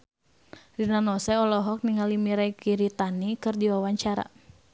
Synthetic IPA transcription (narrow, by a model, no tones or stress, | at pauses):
rinanɔsɛɔlɔɦɔk̚niŋalimiɾaikiɾit̪anikɨrdiwawaɲt͡ʃaɾa̰